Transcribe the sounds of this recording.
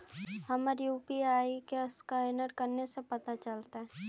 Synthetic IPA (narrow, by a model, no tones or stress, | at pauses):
hɐmaɾijuːpiaːikeɪskaɪnəɾkɐɾnesepɐt̪at͡ʃɐlt̪aɦɛ̃ː